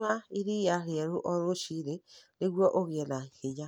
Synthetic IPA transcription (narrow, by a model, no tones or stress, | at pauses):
aiɾijaɾjɛɾuʔɔɾoʃiɾeneɣwɔʔoɣjɛnakeɲa